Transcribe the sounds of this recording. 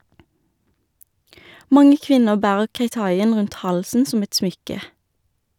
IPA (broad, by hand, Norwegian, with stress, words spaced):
ˈmɑŋə ˈkʋɪnəʁ ˈbæːʁəʁ keɪˈtɑɪən ˈʁʉnt ˈhɑlsn̩ ˈsɔm ˈɛt ˈsmʏkə